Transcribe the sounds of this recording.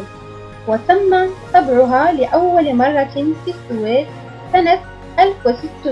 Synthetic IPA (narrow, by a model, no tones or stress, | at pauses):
wat̪amːaːt̪ˤɑbʕʊɦaːlɪʔawːalɪmɑrˤːɑfiːsːʊweːt̪ | sanat̪̚ | ʔalfwɪsɪt̪ːʊ